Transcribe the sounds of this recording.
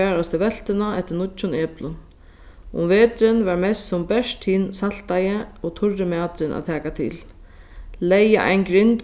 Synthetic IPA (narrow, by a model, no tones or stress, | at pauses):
ɛːɾast̪ɪʋɛl̥t̪ɪnaɛt̪ːɪnʊt͡ʃːʊnɛːplʊn | ʊ̰mveːt̪ɾɪnvaɹmɛst̪sʊmbɛʂt̪hiːnsal̥t̪ajɪɔɣt̪ʰʊɹːɪmaːt̪ɾɪnʔa̰ðt̪ʰɛːkat̪ʰḭl | lɛja̰ʔa̰jnɡɾɪnt̪